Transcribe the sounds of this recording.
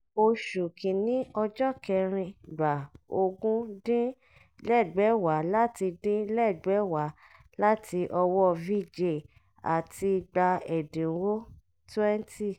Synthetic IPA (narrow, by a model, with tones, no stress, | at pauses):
o˧ʃu˨kĩ˨nĩ˨˦ɔ˧d͡ʒɔ˦kɛ˧ɾ̃ĩ˧da˨o˧ɡũ˦dĩ˦ | lɛ˦˨ɡ͡bɛ˨˦wa˨˦la˦ti˧dĩ˦lɛ˦˨ɡ͡bɛ˨˦wa˨˦ | la˦ti˧ʔɔ˧wɔ˦˨vi˦˨d͡ʒe˦˨ | a̰˨ti˧ɡ͡ba˧ɛ˨dĩ˨wo˦ | tɛ˦n˦ti˦˨